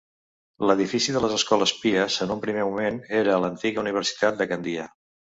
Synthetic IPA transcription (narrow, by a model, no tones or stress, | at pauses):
ləðifisiðələzəskɔləspiəzənumpɾimemumeneɾəːlənt̪iɣəuniβ̞əɾsi̥t̪at̪̚d̪əkənd̪ia